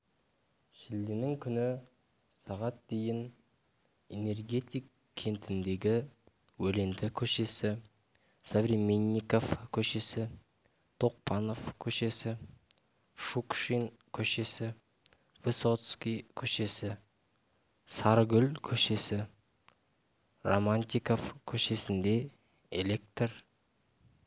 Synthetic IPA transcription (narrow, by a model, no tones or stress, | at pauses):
ʃɪld̪enɪŋkʲʰʏnɪ | sɑʁɑt̪̚d̪e̞jɪn | ene̞rɡʲe̞t̪ijk | kʲʰːe̞nt̪ʰɪnd̪e̞ɡʲɪ | wɵle̞nd̪ɪkʲʰɵʃe̞sɪ | sovɾʲimʲenʲːikofkʲʰɵʃe̞sɪ | t̪ʰo̞q̚pʰɑno̞fkʲʰɵʃe̞sɪ | ʃukʃin | kʲʰɵʃe̞sɪ | veso̞t̪skʲijkʲʰɵʃe̞sɪ | sɑɾɡʲʏlkʲʰɵʃe̞sɪ | romanʲt̪ʲiko̞fkʲʰɵʃe̞sɪnd̪e̞ | ḛle̞k̚t̪r